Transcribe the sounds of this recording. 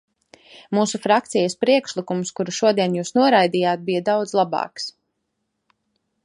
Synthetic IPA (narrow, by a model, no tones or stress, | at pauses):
muːsufɾakt̪sijɐspɾiɛkʃlikumskuɾuʃuɔd̪iɛnjuːsnuɔɾajd̪ijaːt̪̚bijad̪awd̪zlˠabɑ̰ːks